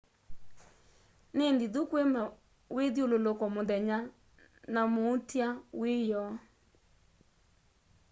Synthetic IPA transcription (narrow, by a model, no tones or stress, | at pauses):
nendidukwema | wedololokɔmodɛɲa | namoutjawejɔ